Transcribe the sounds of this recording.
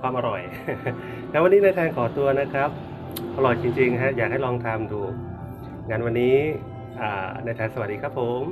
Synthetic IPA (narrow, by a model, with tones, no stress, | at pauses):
kʰwaː˧mʔa˧ɾɔ˨˩j | ŋa˧˥nwa˧nːiː˦˥na˧jt̪ʰɛː˧nkʰɔː˩˦t̪u˧ɐna˦˥kʰɾa˦˥p̚ | ʔa˧ɾɔ˨˩jt͡ɕi˧ŋt͡ɕi˧ŋkʰa˦˥jaː˨˩k̚ha˥˩jlɔː˧ŋt̪ʰa˧mduː˧ | ŋa˧nwa˧nːiː˦˥ | ʔaː˨˩na˧jt̪ʰɛː˧nsa˧wa˨˩t̚diː˧kʰɾa˦˥pʰːo˨˩˦m